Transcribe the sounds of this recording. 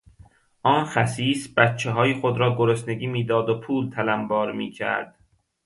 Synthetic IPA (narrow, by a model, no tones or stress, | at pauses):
ʔɒːnxæsiːsbæt̪t͡ʃʰːeɦɒːjixod̪ɾɒːɡoɾosne̞ɡiːmiːd̪ɒːd̪opʰuːlt̪ʰælæmbɒːɾmiːcʰæ̰ɾd̪̥